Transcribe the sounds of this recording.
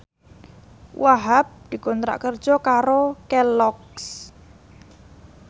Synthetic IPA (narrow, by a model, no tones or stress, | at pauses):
waɦap̚d̪̥i̤kɔnt̪ɾa̰ʔkər̥ʒ̥ɔkaɾokɛlɔks